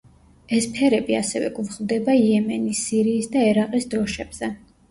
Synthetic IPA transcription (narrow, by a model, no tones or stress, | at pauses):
ɛspʰɛɾɛbia̰sɛvɛ̰kʼuvχlˠd̪ɛbaiɛmɛnisiɾiːsd̪aɛɾaqʼisd̪ɔʃɛb̥z̥ɛ